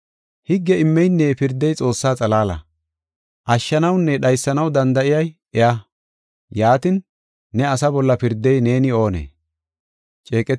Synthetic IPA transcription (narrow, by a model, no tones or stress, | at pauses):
hɪɡːɛɪmːɛjnːeːpɪɾd̪ːɛjt͡sʼo̞ːsːaːt͡sʼɐlaːlɐ̰ | ʔɐʃːɐnɐwnːɛɗɐjsːɐnɐwd̪ɐnd̪ɐɪjɐj | ɛʔɐ | jaːt̪ɪnː | ɛɐsɐbɔlːɐpɪɾd̪ːɛjne̞ːnɪo̞ːnḛː | t͡ʃʼe̞ːkʼɛ